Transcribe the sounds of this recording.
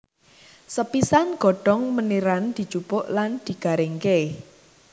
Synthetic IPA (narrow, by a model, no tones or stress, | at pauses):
səpisanɡ̥ɔ̤ɖ̥ɔ̤ŋməniɾand̪̥i̤t͡ʃupʊʔland̪̥i̤ɡ̥a̤ɾeŋke